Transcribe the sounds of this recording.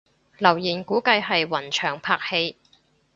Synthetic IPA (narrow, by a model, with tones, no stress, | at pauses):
lɐ˨˩wjiː˨˩nkuː˨˥kɐ˧jhɐ˨jwɐ˨˩nt͡ʃʰœː˨˩ŋpʰaː˧k̚he˧j